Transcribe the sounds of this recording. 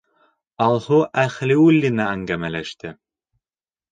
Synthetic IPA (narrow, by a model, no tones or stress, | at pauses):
ɑlˠhuʔæχlʲiulʲːinæːŋɡæmælʲæʃt̪ɘ